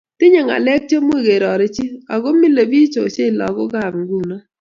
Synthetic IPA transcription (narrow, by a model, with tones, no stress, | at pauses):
tɪ˦ɲe˨ŋa̰˨lɛ˦k̚t͡ʃe˦mwe˦˨ɡe˨ɾɔ˨ɾɪ˦t͡ʃi˦a˨ɡo˦mi˦le˨bi˦t͡ʃo˨t͡ʃe˦˨lɔ̰˨ɡɔ˦ɡa˨m˨ɡu˦˨na˦